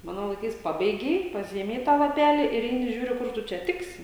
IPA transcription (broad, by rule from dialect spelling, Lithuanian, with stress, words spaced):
ˈmɑːnoː lˠɐɪˈkɐɪs ˈpɑːbʲɛɪɡʲɛɪ pɐˈsʲɪeːmʲɛɪ ˈtɑː lˠɐˈpʲæːlʲiː ɪr ˈɛɪnʲɪ ˈʒʲuːrʲʊ ˈkʊr tʊ ˈt͡ʃʲɛ ˈtʲɪksʲɪ